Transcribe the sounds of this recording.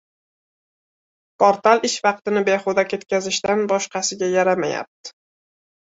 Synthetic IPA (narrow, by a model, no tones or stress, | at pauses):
poɾt̪alˠɪʃvɑq̚t̪ɪnɪbe̞χod̪akʲʰe̞t̪kʲʰazɪʃt̪anbɒʃqʰɑsɪɡʲajaɾamaja̰p̚t̪ɪ̥